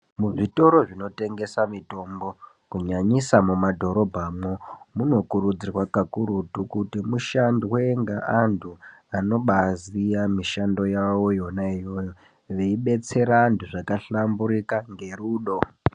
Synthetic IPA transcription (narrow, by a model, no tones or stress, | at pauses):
muʐito̞ɾo̞ʐino̞te̞ŋɡe̞samito̞mbo̞ | kuɲaɲisamumadʱo̞ɾo̞bʱamwomuno̞kuɾud͡zirwakakuɾutukutimuʃandiweŋɡaʔantʰuano̞ɓazijamiʃando̞jawo̞jo̞naijo̞jo | ʋeiɓe̞t͡se̞ɾaːntʰuʐakaɬambuɾikaŋɡe̞ruːɗo̞